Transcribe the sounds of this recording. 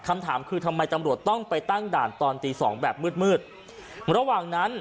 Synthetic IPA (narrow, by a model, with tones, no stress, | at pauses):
kʰa˧mt̪ʰaː˩˦mkʰɯː˧t̪ʰa˧mːa˧jt̪a˧mɾu˨˩ət̪ːɔ˥˩ŋpa˧jt̪a˥˩ŋdaː˨˩nt̪ɔː˧nt̪iː˧sɔ̰ː˩˦ŋbɛː˨˩p̚mɯː˥˩t̪̚mɯː˥˩t̪̚ | ɾa˧waː˨˩ŋna˦˥n